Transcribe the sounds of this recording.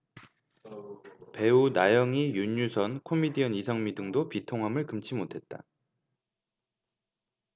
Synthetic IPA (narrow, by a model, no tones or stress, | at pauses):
pe̞unajʌŋijuɲːusʰʌnkʰomidiʌnisʰʌŋmidɯŋdopitʰoŋɦamɯɭkɯmt͡ɕʰimotʰe̞t̚t͈a̰